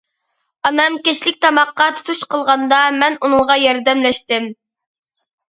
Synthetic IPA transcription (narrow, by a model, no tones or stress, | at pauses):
ɑnɑmkʲeʃlɪk̚ʲt̪ʰɑmɑqːɑt̪ʰu̥t̪ʰuʃqʰəlˠʁɑnd̪ɑmɛnunɨŋʁɑjɑɾd̪ɛmlɛʃt̪ɪm